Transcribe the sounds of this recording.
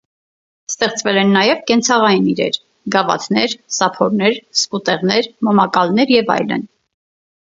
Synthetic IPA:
st̪ɛχt͡svɛlɛnːɑjɛvkɛnt͡sʰɑʁɑjiniɾɛ̰ɾ | ɡɑvɑ̰t̪ʰnɛɾsɑpʰɔɾnɛɾsput̪ɛʁnɛɾmɔmɑkɑlnɛɾjɛvɑ̰jlə̰n

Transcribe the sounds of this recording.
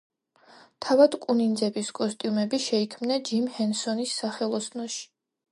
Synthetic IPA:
t̪ʰavad̪kʼunind̪zɛbiskʼɔst̪ʼijumɛbiʃɛikʰmnad͡ʒimhɛnsɔnisːaχɛlˠɔsnɔʃi̥

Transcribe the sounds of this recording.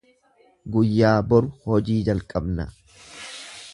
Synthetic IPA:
ɡʊjːaːbɔɾʊhɔd͡ʒiːd͡ʒɐlkʼɐbnɐ

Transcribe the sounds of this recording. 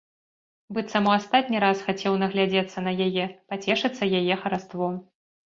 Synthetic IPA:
bɨt̪samuast̪at̪ʲnʲiɾasxat͡sʲɛwnɐɣlʲad͡zʲɛt̪sːɐnɐjajɛpat͡sʲɛʂɨt̪sːɐjajɛxɐɾast̪vɔ

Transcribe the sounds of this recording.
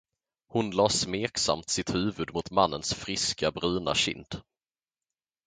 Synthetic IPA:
hʊnlɑːsmeːksa̰mt̪sɪt̪hʉ̟ːvɵd̪mʊt̪manːənsfɾɪskabɾʉːna̰ɕɪ̰nd̪̥

